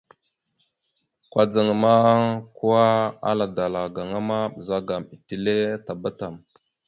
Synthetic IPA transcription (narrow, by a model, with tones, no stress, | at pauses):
kwa˨d͡za˨ŋ˨ma˦ku˦wa˦a̰˦la˨da˨la˨ɡa˨ŋa˦ma˦ɓza˦ɡa˨mi˨ti˨le˦ta˨ba˦ta˨m